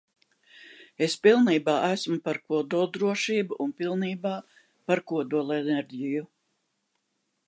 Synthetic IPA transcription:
espilˠniːbaːʔæsmupaɾkuɔd̪uɔlˠd̪ɾuɔʃiːbuʔunpilˠniːbaː | paɾkuɔd̪uɔlˠeneɾʲɟiju

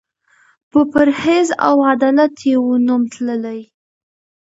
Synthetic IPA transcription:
pəpaɾheza̰wad̪ɑlat̪jewonumt̪ləlaj

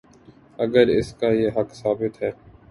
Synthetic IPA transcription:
ɐɡəɾɪ̰skajeɦɐksaːbɪt̪ɦɛː

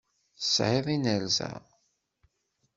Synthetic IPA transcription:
θəsʕɪðˤinəɾzæ̰

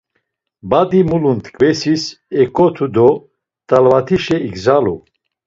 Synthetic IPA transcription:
bad̪imulunt̪kʼvɛsis | ɛkʼɔt̪ʰud̪ɔ | t̪ʼalvat̪ʰiʃɛiɡzalṵ

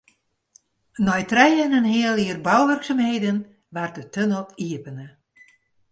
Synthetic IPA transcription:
nɔjtrɛjənənhiəlˠiərbɔwʋørksamhejdən | ʋart̚dətønəlˠiəpənə

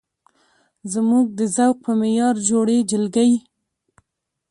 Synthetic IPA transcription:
zmuɡ̚d̪əzawq̚pəmejɑɾd͡ʒoɽed͡ʒɪlɡaj

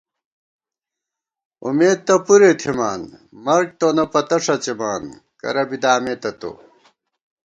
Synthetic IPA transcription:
ṵmeːd̪̚t̪ɐpuɾet̪ʰimaːnmɐɾk̚t̪onɐpɐt̪ɐʂɐt͡ɕemaːn | kɐ̰ɾɐbid̪aːmet̪ɐt̪o̰

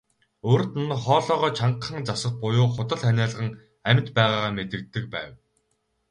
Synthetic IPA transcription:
oːrt̪n̆nχɔːɮɔːʁɔːt͡ɕʰaɴχə̆ŋt͡sasə̆χ̚pʊjʊːχʊt̪ə̆ɮænʲæːɮəʁə̆ŋ | æm̆ʲt̪pæːʁaːʁaːmet̪ɘ̆k̚t̪ːɘ̆k̚pæ̰ːw

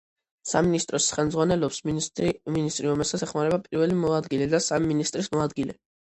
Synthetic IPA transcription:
sa̰minist̪ʼɾɔsχɛlˠmdzʁwanɛlɔps | minist̪ʼɾiɾɔmɛsat̪sʰɛχmaɾɛbapʼiɾvɛlimɔad̪ɡilɛd̪asamiminist̪ʼɾismɔad̪ɡilɛ

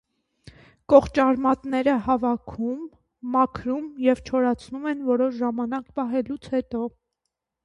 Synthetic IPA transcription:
kɔχt͡ʃɑɾmɑt̪nɛɾəhɑvɑkʰumː | ɑkʰɾumjɛvt͡ʃʰɔɾɑt͡sʰnumɛnvɔɾɔʃʒɑmɑnɑkpɑɦɛlut͡sʰhɛt̪ɔ

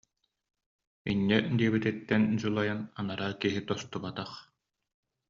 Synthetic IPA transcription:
inːɛd̪iɛbit̪it̪ːɛnd͡ʑulˠajananaɾaːkiɦit̪ɔst̪ubat̪aχ

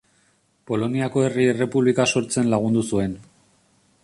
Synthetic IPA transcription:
po̞lo̞niako̞e̞riere̞puβlikaso̞ɾt͡se̞nlaɣund̪usue̞n

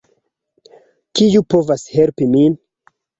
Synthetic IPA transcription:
kijupo̞vashe̞lpimin

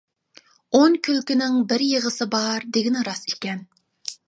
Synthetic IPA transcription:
oŋkʲʰylkʲinɪŋbɪɾjəʁəsɨbɑɾd̪eɡʲinɪɾɑsikʲɛn

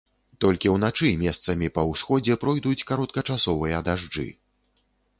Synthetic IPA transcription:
t̪ɔlʲkʲiwn̪at͡ʂɨmʲɛst̪sɐmʲipɐwsxɔd͡zʲɛpɾɔjd̪ut͡sʲkaɾɔt̪̚kɐt͡ʂasɔvɨjɐd̪aʐd͡ʐɨ̰

